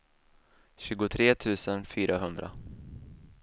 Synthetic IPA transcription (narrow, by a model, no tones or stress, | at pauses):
ɕʉ̟ːɡʊt̪ʰɾeːt̪ʰʉ̟ːsənfyːɾʔaɦɵnd̪ɾʔa̰